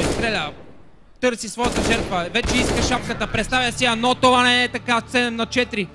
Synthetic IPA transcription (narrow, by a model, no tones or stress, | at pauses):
ist̪ɾɛlʲə | t̪ɤɾsisvɔjət̪əʒɛɾt̪vəvɛt͡ʃɛiskəʃapkət̪əpɾɛt̪st̪avʲjəsiɐnɔt̪ovanɛɛt̪ɐkat̪sɛɛmnɐt͡ʃɛt̪ɾi